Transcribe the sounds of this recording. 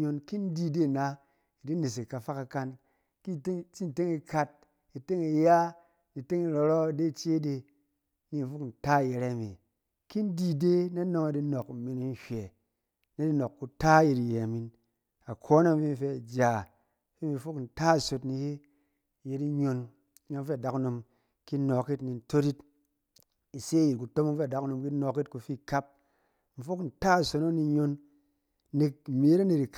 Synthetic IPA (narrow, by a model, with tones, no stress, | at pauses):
ɲo˧nki˦n˦di˧de˦˨na˨˦ | i˨di˦ne˨s̬i˨ka˧fa˦ka˧ka˧n | ki˦t͡ʃi˦n˨te˦ŋi˧ka˧t̚ | i˨te˦ŋi˧ja˦ | ni˨te˦ŋi˧ɾo˧ɾɔ˦˨de˦˨t͡ʃe˦de˧ | ni˦˨fu˦kn̩˨ta˦˨je˨ɾe˦˨mi˨ | ki˦n̩˦di˧de˦na˦no˧ŋa˧di˧no˨kmi˧ni˧n˦ʃʷe˨ | ne˦di˧no˨kːu˧ta˦je˧ɾi˨je˨a˨mi˨˧n | a˨kʰo˦na˦m˦fi˦m̩˧˨fe˧a˨d͡ʒa˨˦ | fi˦m˦i˧fo˦kn̩˨ta˦˨so˨tni˧je˦˨ | je˧ti˦ɲo˧n˦ | ɲo˧n̩˦fe˦a˨da˦ku˦no˧m | ki˦no˨ki˦tni˨n̩˦to˦ɾi˦t | i˨se˦ji˨tku˨to˦m˦ŋ̩˦fe˦a˨da˨ku˦no˧mki˦no˧ki˦t̚ku˧fi˦ka˦p̚ | m̩˨fo˦kn̩˨ta˦˨so˧no˦ni˧˦ɲo˧n˦ | ni˧k̩̚˨mi˨˦je˦ɾa˦ne˨ti˨k